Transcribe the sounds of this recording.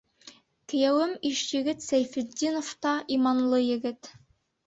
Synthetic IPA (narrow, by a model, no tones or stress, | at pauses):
kɘ̆jæwɘmiʃjɘ̆ɡɘt̪sæjfɘ̆d̪ʲːinoft̪ɑʔimɑnlˠɤjɘ̆ɡɘt̪